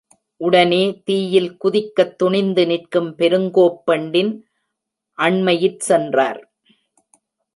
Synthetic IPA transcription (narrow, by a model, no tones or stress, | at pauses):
ʔʊɽɐneːt̪iːjɪlkʊðɪkːɐt̪ːʊɳɪnd̪ɯnɪrkɯmpɛɾɯŋɡoːpːɐɳɖɪn | ʔɐɳmɐjɪʈsɛndraːɾ